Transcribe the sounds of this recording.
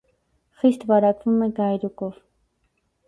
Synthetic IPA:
χɪst̪baɾakʊmɪɡajɾʊkʊχ

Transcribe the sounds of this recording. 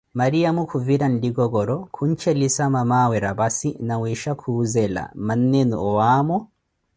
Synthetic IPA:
maɾijamukʰuviɾɐndiɡɔɡɔɾɔkʰuɲt͡ʃɛlisamamawɛɾabasinawɛʃakʰuzɛla̰manːɛnṵɔwaːmɔ

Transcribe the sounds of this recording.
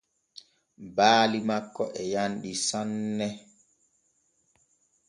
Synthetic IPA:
baːlimakːɔʔɛjanɗisanːɛ

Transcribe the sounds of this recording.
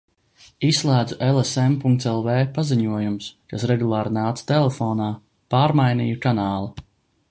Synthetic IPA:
isːlˠæːd̪zuʔelˠesɛmpuŋkt̪sɛlˠveːpaziɲuɔjumskasɾɛɡulˠaːɾnaːt̪sḁt̪ɛlˠefoːnaː | paːɾmajnḭːjukanaːlˠa

